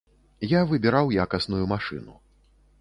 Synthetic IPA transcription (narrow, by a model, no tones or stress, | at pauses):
javɨbʲiɾawjakɐsnujumaʂɨ̰nṵ